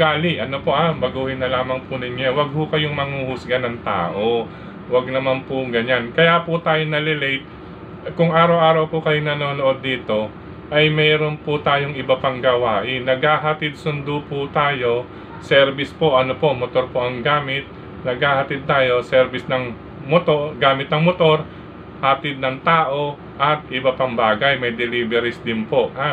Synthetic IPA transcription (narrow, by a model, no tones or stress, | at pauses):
ɡaːlɪʔɐnopo̞ʔabɐɡuːhɪnɐlaːmɐŋpʊnɐɲawɐɡ̚hʊkɐjoŋmɐŋuhʊsɡɐnɐŋt̪a̰ːʔo̞ | wɐɡ̚nɐmanpʊɡɐɲankɐjapʊt̪aːjonɐlɛlɛjt̪̚ | kʊŋʔaːɾɐwʔaːɾɐwpʊkɐjoŋnɐnoːnoʔo̞d̪̚ːiːt̪o̞ | ʔɐjmɛːɾonpʊt̪aːjo̞ŋɪbɐpɐŋɡɐwaːʔɪnɐɡhaːɦɐt̪ɪd̪̚sʊnd̪ʊpʊt̪aːjo̞ | sɛɾbɪspo̞ʔɐnopo̞mot̪oɾpoʔɐŋɡaːmɪt̪̚ | nɐɡhaːhɐt̪ɪd̪̚t̪aːjo̞sɛɾbɪsnɐŋ | mot̪oɡaːmɪt̪̚nɐŋmot̪o̞ɾ | hɐt̪ɪd̪̚nɐŋt̪aːʔo̞ | ʔɐt̪ʔɪbɐpɐŋbaːɡɐjmɐjd̪ɛliːbɛɾɛsd̪ɪnpo̞ʔha